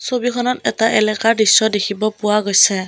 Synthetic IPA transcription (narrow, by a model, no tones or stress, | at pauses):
sobikʰɔnɔtɛtaʔɛlɛkaɹdisːɔdekʰibɔpʊwaɡojsɛ